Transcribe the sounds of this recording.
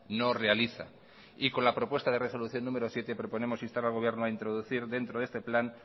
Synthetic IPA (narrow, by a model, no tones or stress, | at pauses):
nore̞aliθa̰ | iko̞nlapɾo̞pwest̪að̞e̞re̞so̞luθjo̞nːũme̞ɾosje̞t̪e̞pɾo̞po̞ne̞mo̞sinst̪aɾalɣ̞o̞βje̞ɾnoaint̪ɾoðuθiɾðe̞nt̪ɾo̞ðe̞st̪e̞plan